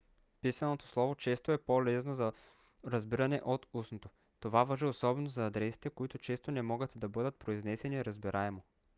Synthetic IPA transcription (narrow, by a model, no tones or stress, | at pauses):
pisɐnot̪o̥slˠɔvot͡ʃɛst̪oɛpolɛsnozɐ | ɾɐzbiɾɐnɛʔot̪usnot̪o | t̪ovavɐʒiosɔbɛnozɐːd̪ɾɛsi̥t̪ɛkoit̪ʊt͡ʃɛst̪onɛmɔɡət̪d̪ɐbɤd̪ət̪̚pɾoiznɛsɛniɾɐzbiɾʔaɛmo